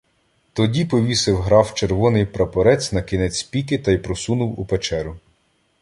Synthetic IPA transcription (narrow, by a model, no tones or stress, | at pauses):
t̪ɔdʲipɔʋʲisɪwɦɾɑwt͡ʃeɾʋɔnɪjpɾɐpɔɾɛt͡sʲnɐkʲinɛt͡sʲpʲikɪt̪ɐjpɾɔsunʊwupet͡ʃɛɾʊ